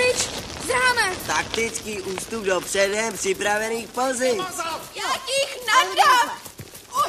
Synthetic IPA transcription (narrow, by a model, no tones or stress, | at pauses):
ɪt͡ʃzanɛt̪ak̚t̪ɪt͡skiːʔuːst̪ub̚dopr̥ɛdɛprɪpɾavɛniːxpolzɪjakiːxnaɾa